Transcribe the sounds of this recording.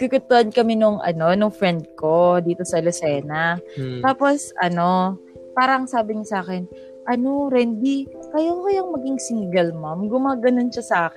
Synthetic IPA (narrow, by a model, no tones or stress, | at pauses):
kɪkʊt̪ːʊhɐnkɐmɛnʊŋʔɐ̰no̞nʊŋfɾɛnd̪̚ko̞d̪iːt̪o̞sɐlʊsɛːnɐt̪aːpo̞sʔɐno̞ | paːɾɐŋsaːbɪɲʊsaːkɛn | ʔɐnoɾɛnd̪ikɐjokɐjɐŋmɐɡɪŋsiŋɡɐlmamɡʊmaːɡɐnonʃɐsɐʔaːkɪ